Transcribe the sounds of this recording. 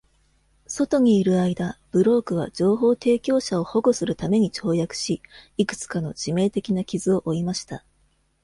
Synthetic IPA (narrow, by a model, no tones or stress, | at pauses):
so̞t̪o̞ɲ̟iːɾɯ̟aid̪ab̥ɯ̟ɾo̞ːkɯ̟β̞a̰d͡ʑo̞ːɦo̞ːt̪e̞ːkʲo̞ːɕao̞ho̞ɡosɨɾɯ̟t̪ame̞ɲ̟it͡ɕo̞ːjakɯ̟̥ɕiikɯ̥t͡sɨ̥kano̞̰ʑ̥ime̞ːt̪e̞kʲinakʲizɨo̞ʔoimaɕi̥t̪a